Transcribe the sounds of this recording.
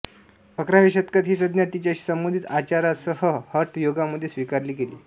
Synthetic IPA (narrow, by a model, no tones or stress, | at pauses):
pəkɾaʋiɕət̪̚kət̪ɦiːsəd̪njat̪ːit͡ɕaɕiːsəmbond̪ʱit̪at͡ɕaɾasəɦəhəɾʈʰjoɡaməd̪ʱːjesʋikaɾliːkelḭː